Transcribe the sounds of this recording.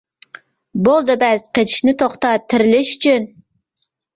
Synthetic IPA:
bolˠd̪ɨbɛzqʰet͡ʃʰi̥ʃnɪt̪ʰoχt̪ɑt̪ʰɪɾɪlɪʃy̥t͡ʃʰyn

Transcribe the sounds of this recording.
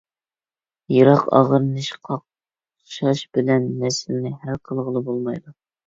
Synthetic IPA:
jɑɾɑqɑ̰ʁəɾnɨʃqʰɑq | ʃɑʃbɪlɛnːɛsɪlnɪhælqʰəlˠʁəlˠɨbolˠmɑjd̪u

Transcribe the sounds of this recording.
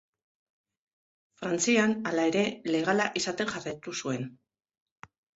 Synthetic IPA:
fɾant͡sianalae̞ɾe̞le̞ɣalaʔisat̪e̞nʝarajt̪usue̞n

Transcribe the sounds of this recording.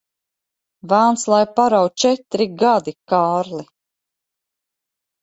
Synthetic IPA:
vaːnslˠajpaɾawt͡ʃɛt̪ɾiɡad̪ikaːɾli

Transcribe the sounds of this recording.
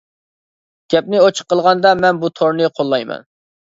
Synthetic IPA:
ɡ̥ʲɛp̚nɪot͡ʃʰə̥qːəlˠʁɑnd̪ɑmɛnbut̪ʰoɾnɨqʰolˠːɑjmɛ̰n

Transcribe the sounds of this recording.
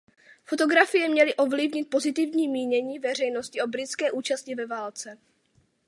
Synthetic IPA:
fo̞t̪o̞ɡɾafɪjɛmɲɛlɪʔo̞vlɪvɲɪt̪̚po̞zɪt̪ɪvɲiːmiːɲɛɲiːvɛr̝ɛjno̞scɪʔo̞bɾɪt͡skɛːʔuːt͡ʃascɪvɛvaːlt͡sɛ

